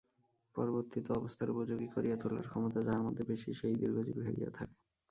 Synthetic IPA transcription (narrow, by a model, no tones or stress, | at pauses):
pɔɾoboɾt̪it̪oɔbost̪ʰaɾupod͡ʑoɡikoɾʔijat̪ʰola̰ɾkʰɔmot̪ad͡ʑaɦamod̪ʱebeʃiʃejd̪iɾɡʱod͡ʑḭbibʰʱeɡḭja̰t̪ʰake